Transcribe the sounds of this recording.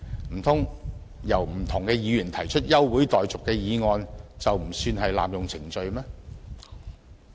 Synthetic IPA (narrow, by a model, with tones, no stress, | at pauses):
m̩˨˩t̪ʰʊ˥ŋ | jɐ˨˩wm̩˨˩t̪ʰʊ˨˩ŋkɛː˧jiː˨˧jyː˨˩nt̪ʰɐ˨˩jt͡ʃʰɵ˥t̚jɐ˥wːu˨˥jt̪ɔː˨jt͡sʊ˨kːɛː˧jiː˨˧ŋɔː˧nt͡sɐ˨wm̩˨˩syː˧nɦɐ˨jla̰ː˨mjʊ˨ŋt͡sʰɪ˨˩ŋt͡ʃɵ˧ɥmɛː˥